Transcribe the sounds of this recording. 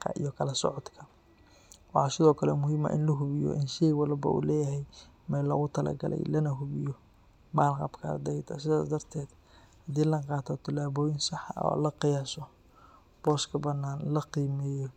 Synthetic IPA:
qʰɐ̰ʔḭjɔkʰɐlɐsɔʕɔd̪kʰɐ | wɑħɑːsɪðɔːkʰɐlɛmʊɦiːmɐ̰ʔɪ̰nlɐɦʊβɪjɔ̰ʔɪnʃɛjwɑlbɐ̰ʔṵːlɛːjɐɦɛj | mɛlɔːɣʊt̪ʰɐlɐ̰ɡɐ̰lɛ̰jlɐnɐɦʊβɪjɔ | baːlqɑ̰bkʰɐrd̪ɛjd̪ʰɐsɪðaːsd̪ɐrt̪ʰɛːd̪ | hɐd̪iːlɐqɑːt̪ʰɔt̪ʰɐlaːβɔːjɪnsɑħɑɔ̰lɐqɪjaːsɔ | b̥ɔːskʰɐbɐnːaːnlɐqiːmɛːjɔ

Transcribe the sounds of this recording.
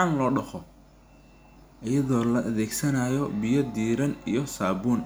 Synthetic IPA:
anlɔːɖɐχɔ | ʔɐjɐðɔːlɐʔɐðɛːɡsɐnaːjɔbɪjɔd̪iːɾɐnḭjɔsaːbuːn

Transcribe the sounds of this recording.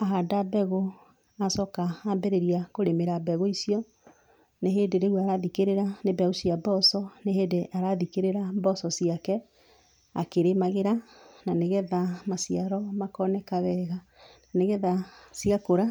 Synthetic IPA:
aɦadabɛɣo | asɔkaːmbɛɾeɾiakoɾemeɾabɛɣoisiɔ | neɦeːdeɾewaɾaðikeɾeɾanebɛɣosiabɔsɔneɦeːdeʔaɾaðikeɾeɾabɔsɔsiakɛ | a̰keɾemaɣeɾananeɣɛðamasiaɾɔmakɔnɛkaβɛɣa | neɣɛðasiakoɾa

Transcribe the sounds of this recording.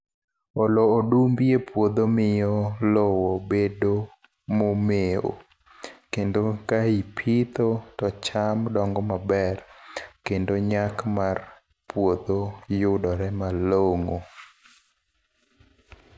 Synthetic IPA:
oloːdumbjepwod̪omɪjɔlɔwobedo | momeo̰ | kendokaipʰit̪otɔt͡ʃamdɔŋɡɔmabɛrkendoɲakmar | pwod̪ojʊdɔɾɛmaloŋo

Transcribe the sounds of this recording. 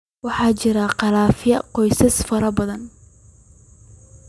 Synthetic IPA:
wɑħɑːt͡ʃɪɾɐqɑlaːfjɐqɔjsɐsfɐɾɐbɐðɐn

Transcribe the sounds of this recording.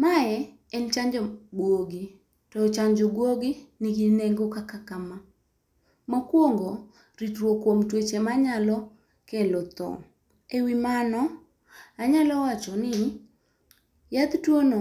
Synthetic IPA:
maɛ | ɛnt͡ʃaɲd͡ʒɔbwoɡi | tɔt͡ʃaɲd͡ʒɔɡwoɡɪnɪɡineŋɡokakakama | mɔkwoŋɡo | ɾitɾwokwomtwet͡ʃemaɲalɔ | kɛlɔt̪ɔ̰ | ewimanɔ | aɲalɔwat͡ʃɔnɪ | jad̪twono

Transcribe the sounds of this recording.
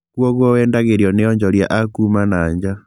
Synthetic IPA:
kwɔɣwɔwɛːndaɣeɾjɔnejɔɲd͡ʒɔlja̰ʔakumanaːɲd͡ʑa

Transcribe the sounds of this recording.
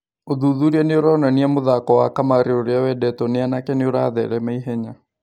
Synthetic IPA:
oðuðuɾiɛneoɾaonaniamoðakɔwakamaɾeoɾeawɛdɛtɔneanakɛneoɾa̰ðɛ̰ɾɛmaiɦɛɲa

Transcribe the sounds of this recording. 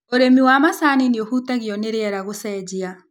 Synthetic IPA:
oɾemiwamasanineohutaɣiɔneɾeɛɾaɣosɛːd͡ʑia

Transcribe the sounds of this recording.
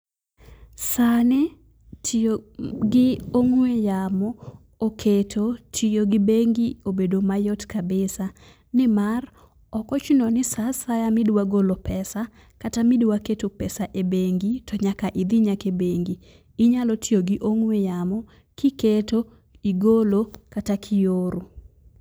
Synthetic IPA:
sanɛ | ɡɪoŋwejamɔ | okʰetʰotʰijoɡɪbeŋɡiobedomajɔtkabɪsa | nɪmar | ɔkɔt͡ʃinɔnɪsasajamɪdwaɡolopɛsa | katamɪdwaketopɛsaʔebeŋɡitʰɔɲakaʔɪd̪ɪɲakebeŋɡiː | ɲalɔtʰijoɡɪʔoŋwejamɔ | kɪketo | iɡolokatakʰɪjoɾo

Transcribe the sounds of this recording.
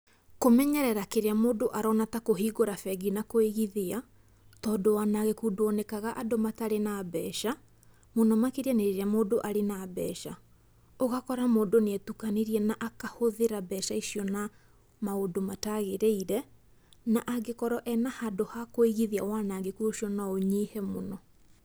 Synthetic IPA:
komɛɲɛɾɛɾakeɾeamoːdoʔaɾɔnatakoɦiːɣoɾafɛɡinakoeɣiðea | tɔːdowanaɣekudoɔnekaɣaʔadomataɾenabɛʃa | monɔmakeɾianeɾeamoːdoʔaɾenabɛ̰ʃa̰ | oɣakɔɾamoːdonɛtukaneɾiɛnaʔakahoðeɾabɛʃaiʃiɔna | maodomataɣeɾeiɾɛ | naʔaɡekɔɾɔʔɛnahadohakoeɣiðeawanaɡekuoʃiɔnaoɲihɛmonɔ

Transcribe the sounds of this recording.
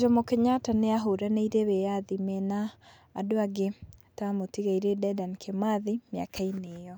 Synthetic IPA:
d͡ʒɔmokeɲataneaɦoɾanaiɾeβejaðimɛnaː | doaɡetamotiɣaiɾedɛdankʰemaðimja̰kainejɔ

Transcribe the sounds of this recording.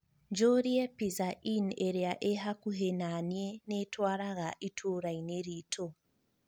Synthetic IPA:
ɲd͡ʒoɾiepizaʔineɾeaʔeɦakuɦenanjenetwaɾaɣaʔitʰuɾaineɾitʰo

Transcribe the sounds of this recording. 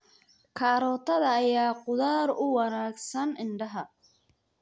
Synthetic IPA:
kʰaːɾɔːt̪ʰɐðɐːjaːqʊðaːɾʊwɑnaːɡsɐnɪɳɖɐɦɐ

